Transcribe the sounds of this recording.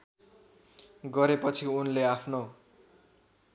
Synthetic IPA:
ɡʌɾepʌt͡sʰiunleapʰno

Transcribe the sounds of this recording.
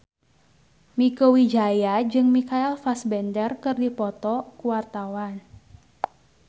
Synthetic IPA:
mikowid͡ʒajad͡ʒɨŋmikailfasbɛndərkɨrdipɔt̪ɔkuwart̪awan

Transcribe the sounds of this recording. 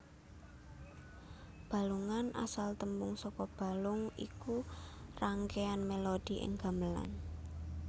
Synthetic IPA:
b̥a̤luŋana̰salt̪əmbʊŋsɔkɔb̥a̤lʊŋḭkuraŋkeanmelod̥i̤ʔɪ̰ŋɡ̥a̤məla̰n

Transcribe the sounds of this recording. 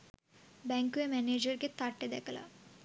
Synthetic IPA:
bɛŋkuemɛneːd͡ʒəɾket̪aʈːed̪ɛ̰kʰɐla̰

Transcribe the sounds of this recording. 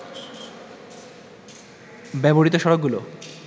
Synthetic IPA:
bɛboɽit̪oʃɔɾokɡ̚ɡulo

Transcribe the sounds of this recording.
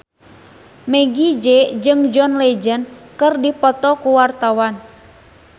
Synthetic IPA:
mɛɡid͡ʒɛd͡ʒɨŋd͡ʒɔnlɛd͡ʒənkɨrdipɔt̪ɔkuwart̪awan

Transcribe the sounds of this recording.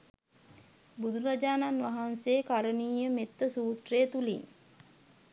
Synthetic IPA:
bud̪ʱuɾad͡ʒaːnanʋaɦanseːkaɾəniːjəmet̪ːəsuːt̪reːt̪ulḭn

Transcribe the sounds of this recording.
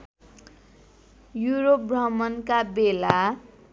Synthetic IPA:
juɾop̚brʌmʌnkabela

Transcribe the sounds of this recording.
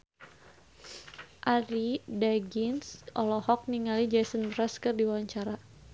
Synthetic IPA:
ʔaɾidaɡinsɔlɔhɔk̚niŋalid͡ʒasənbɾaskərdiwaaɲt͡ʃaɾa

